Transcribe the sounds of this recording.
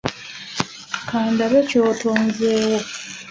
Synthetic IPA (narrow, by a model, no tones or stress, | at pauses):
kaːndaβeco̞ːtʰoːnzeːwo̞